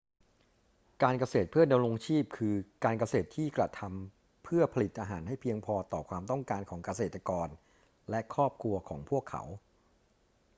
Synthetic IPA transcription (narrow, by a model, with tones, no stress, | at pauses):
kaː˧nka˧seː˨˩t̪̚pʰɯ˥˩da˧mɾo˧ŋt͡ɕʰiː˥˩p̚kʰɯː˧kaː˧nka˧seː˨˩t̪ʰːiː˥˩kɾa˧t̪ʰa˧m | pʰɯ˥˩ɐpʰa˧li˨˩t̪̚ʔaː˧ɦaː˩˦nha˥˩jpʰi˧əŋpʰɔː˧t̪ɔː˨˩kʰwaː˧mt̪ɔ˥˩ŋkaː˧nkʰɔː˩˦ŋka˧seː˨˩t̪ːɾa˧kɔː˧n | lɛ˦˥kʰɾɔː˥˩p̚kʰu˧ɐkʰɔː˩˦ŋpʰu˥˩əkʰːa̰˩˦w